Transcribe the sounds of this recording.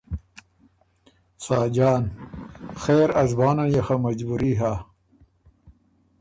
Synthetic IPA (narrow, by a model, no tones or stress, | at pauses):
saːd͡ʑaːn | xeːɾɐzbaːnanjaxamɐd͡ʑbuɾiːɦa